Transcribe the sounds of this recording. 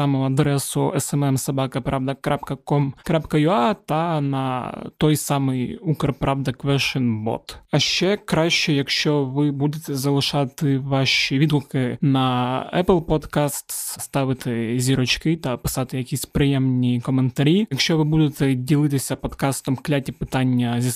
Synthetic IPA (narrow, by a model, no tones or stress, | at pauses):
samʊɐd̪ɾɛsʊ̰ɛsɛmɛmsɐbakɐpɾavd̪ɐkɾapkɐkomkɾapkɐjʊat̪ɐnɐt̪ojsamɨjukrpɾavd̪ɐkʋɛʂɨnbo̰t̪ɐɕːekɾaɕːejɐkʃt͡ʃoʋɪbud̪ʲɪt̪ʲɛzɐlˠɨʂat̪ɨvaʂɪvʲid̪lˠkɨnɐɛplˠpot̪kast̪sst̪avʲɪt̪ʲɨzʲɪɾɐt͡ɕkɨt̪apɨ̥sat̪ɨjɐkʲisʲpɾʲɪjemnʲɪjəkəmʲənt̪ɐɾʲijɐkɕːovɨbud̪ʲɪt̪ʲɪdʲɪlʲˠɨt̪ʲɪsʲɐpɐt̪kast̪əmklʲatʲɪpɨt̪anʲːɪjəzʲ